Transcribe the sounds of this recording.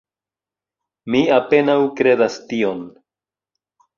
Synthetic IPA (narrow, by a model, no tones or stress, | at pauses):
miape̞nawkɾe̞dastio̞n